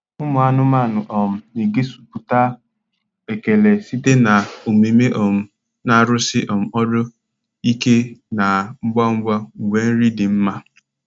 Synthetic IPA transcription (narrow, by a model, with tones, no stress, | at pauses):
ʊ˦mʊ˨a˦nʊ˦ma˦˨nʊ˨ʔɔ˨m̩˨i˨ɡe˦su̥˨pu˨ta˦ | e˨ke˨le˨si˦te˦na˨o˨me˨me˦ʔɔ˨m̩˨ | na˦˨ɾʊ˦sɪ˦ʔɔ˨m̩˨ɔ˦do˦ | i˦ke˦na˨ŋ͡m̩˦ɡ͡ba˦ŋ͡m̩˦ɡ͡ba˦u˨we˦n̩˦ɾi˦dɪ˨m̩˦ma˨